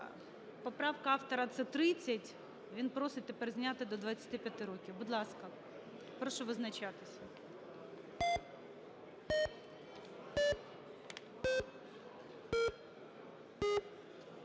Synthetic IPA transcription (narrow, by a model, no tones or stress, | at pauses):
pɔpɾɑwkɐɑwt̪ɔɾɐt̪sɛt̪ɾɪt͡sʲːɐtʲ | ʋʲinpɾɔsɪt̚ʲt̪ɛpɛrzʲnʲat̪ɪd̪ɔd̪ʋɐt͡sʲːɐ̥t̪ɪpʲjɐt̪ɪɾɔkʲiwbʊd̪lˠɑskɐ | pɾɔʃɔʋɪznɐt͡ʃat̪ɪsʲɐ